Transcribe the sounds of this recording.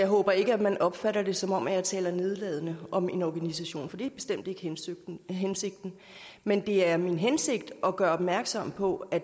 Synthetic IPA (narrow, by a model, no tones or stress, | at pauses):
jɑ̈ɪɦɔ̽ːb̥ɐe̝ɡ̥əæmænʔɒ̽b̥fæɾɐd̥e̝sɒ̽mɒ̽m̰æjɑ̈ɪt͡sʰɛ̰ːlɐne̝ð̞ˠlɛːð̞ˠənəɒ̽me̝nɒɡ̥ænisæɕo̝̰ːnfɒ̽d̥ḭb̥e̝sd̥em̰d̥e̝ɡ̥ | ɦense̝ɡ̥̚d̥n̩ | mend̥e̝æɐminɦense̝ɡ̥d̥ʔɒ̽ɡ̥ɶɐɒ̽b̥mæɐɡ̥sɒ̽m̰pʰɒ̽æ